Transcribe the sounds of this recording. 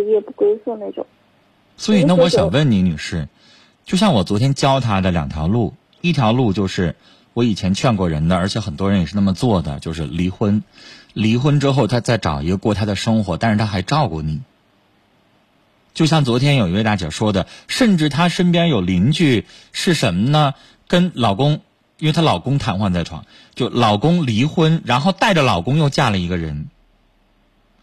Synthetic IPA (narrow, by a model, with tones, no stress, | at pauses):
jɛ˧˩pu˥˩kwe˥ɪsu˥˧na˥˩ɪʈ͡ʂʊ̰˨˩˦ŋ | swɔ˧˥i˨˩na˥˩wɔ˧˥ɕjɑ˨˩ŋwə˥˩nni˧˥ni˨˩ʂɻ̩˥˩ | t͡ɕjo˥˧ʊɕ̬jɑ˥˩ŋwɔ˨˩t͡swɔ˧˥t̪ʰjɛ˥nt͡ɕjɑ˥ʊt̪ʰa˥d̪ə˨ljɑ˨˩ŋt̪ʰjɑ˧˥ʊlu˥˩ | i˥˩t̪ʰjɑ˧˥ʊlu˥˧t͡ɕjo˥˧ʊʂɻ̩˥˩ | wɔ˧˥i˨˩t͡ɕʰjɛ˧˥nt͡ɕʰɥɛ˥˧nkwɔ˥˩ɻə˧˥nd̪ə˧ə˞˧˥t͡ɕʰjɛ˧˥xə˨˩nt̪wɔ˥ɻə˧˥njɛ˨˩ʂ̩ɻ̩˥˩na˥˩mə˩t͡swɔ˥˩d̪ə̰˩t͡ɕjo˥˧ʊʂɻ̩˥˩li˧˥xwə˥nli˧˥xwə˥nʈ͡ʂɻ̩˥xo˥˧ʊt̪ʰa˥t͡sa˥˩ɪʈ͡ʂɑ̰˨˩ʊi˧˥ɡə˧kwɔ˥˩t̪ʰa˥d̪ə˨ʂɤ˥ŋxwɔ˧˥t̪a˥˧nʂɻ̩˥˩t̪ʰa˥xa˧˥ɪʈ͡ʂɑ˥˧ʊkwɔ˥˩ni˨˩˦ | t͡ɕjo˥˧ʊɕ̬jɑ˥˩ŋt͡swɔ˧˥t̪ʰjɛ˥njʊi˧˥we˥˧ɪt̪a˥˩t͡ɕjɑ̰˨˩ʂwɔ˥d̪ə˨ʂə˥˧nʈ͡ʂɻ̩˥˩t̪ʰa˥ʂə˥npjɛ˥njo˨˩ʊli˧˥ŋt͡ɕy˥˩ʂɻ̩˥˩ʂə˧˥nmə˧nə˧ | kə˥nlɑ˨˩ʊkʊ˥ŋ | i˥nwɪt̪ʰa˥lɑ˨˩ʊkʊ˥ŋt̪ʰa˧˥nxwa˥˧nt͡sa˥˩ɪʈ͡ʂʰwɑ̰˨˩˦ŋ | t͡ɕjo˥˩ʊlɑ˨˩ʊkʊ˥ŋli˧˥xwə˥nɻa˧˥nxo˥˧ʊt̪a˥˩ɪʈ͡ʂə˩lɑ˨˩ʊkʊ˥ŋjo˥˧ʊt͡ɕja˥˩lə˩i˧˥ɡə˧ɻə˧˥n